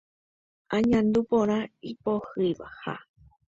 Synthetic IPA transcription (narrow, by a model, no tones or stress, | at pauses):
ãɲãnd̪upõɾ̃ãipohɨjʋa̰ha̰